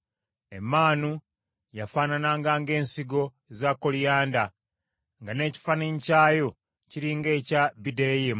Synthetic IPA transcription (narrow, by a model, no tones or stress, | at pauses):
e̞mːaːnu | jafaːnanaŋɡaːŋɡe̞ːnsiɡo̞ | ezaːkːolijaːnda | ŋɡane̞ːci̥faniɲcaːjo̞ | ciɾiːŋɡe̞ːcabideɾejem